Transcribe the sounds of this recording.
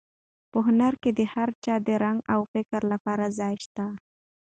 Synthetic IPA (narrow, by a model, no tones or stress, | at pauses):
pəɦʊnaɾked̪əhaɾt͡ʃɑd̪əɾaŋɡawfɪkɾlapɑɾazɑjʃt̪a